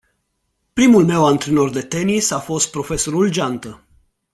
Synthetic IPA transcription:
pɾimulme̞want̪ɾeno̞rd̪e̞t̪e̞nisafo̞st̪̚pɾo̞fe̞so̞ɾuld͡ʒant̪ə

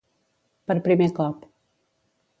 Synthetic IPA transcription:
pəɾpɾimekɔp

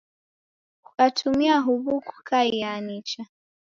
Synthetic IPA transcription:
kukatʰumiaɦuβuku̥kʰaianit͡ʃa

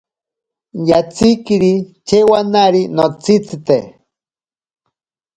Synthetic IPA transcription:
jat͡sikiɾit͡ʃewanaɾinot͡sit͡sit̪e

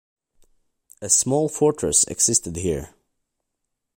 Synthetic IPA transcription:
ɨsmɔlˠfɔɹtʰɹ̥ɨ̰sɛ̰ɡsɪstɨd̚hiɹ

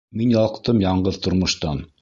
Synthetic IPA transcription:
minjɑlˠqt̪ɤmjɑɴɢɤðt̪ŏɾmŏʃt̪ɑn

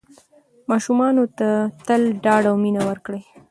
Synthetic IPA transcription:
mɑʃumɑnot̪at̪əlɖɑɖawminawəɾkɽej

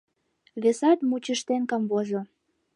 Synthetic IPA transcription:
βesɑt̪mut͡ɕəʃt̪enkɑmβoʒo

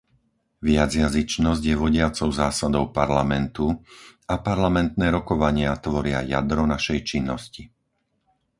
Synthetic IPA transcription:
ʋɪad͡zjazit͡ʃnɔzɟjɛʋɔɟɪat͡sɔʊzaːsad̪ɔʊpaɾlamɛnt̪uapaɾlamɛnt̪nɛːɾɔkɔʋaɲɪat̪ʋɔɾɪa̰ja̰d̪ɾɔnaʃɛjt͡ʃinːɔsci

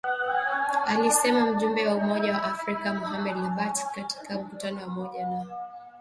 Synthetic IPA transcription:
alisɛmam̩ʄumbɛwaumɔʄawaʔafɾikamuɦamɛdlaɓatkati̥kam̩kutanɔwamɔʄana

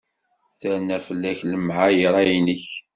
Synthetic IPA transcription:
θæɾnæfəlːæçləmʕajəɾˤæjinəç

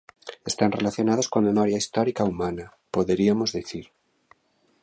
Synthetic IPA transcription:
est̪anrelaθjo̞nað̞oskomemɔɾjaist̪ɔɾikaumana | poðeɾiamozðiθiɾ

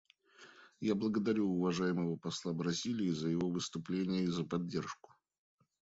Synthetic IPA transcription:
jablˠəɡəd̪ɐɾʲuʊvɐʐajɪməvəpɐslˠabɾɐzʲilʲɪːzəjɪvo̞vɨst̪ʊplʲenʲɪjəizəpɐdʲːe̞rʂkʊ̥

